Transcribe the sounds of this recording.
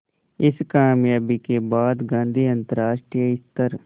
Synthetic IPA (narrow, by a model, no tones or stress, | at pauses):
ɪskaːmjaːbiːkeːbaːd̪ɡãːnd̪ʱiːənt̪əɾaːʃʈɾijəɪst̪əɾ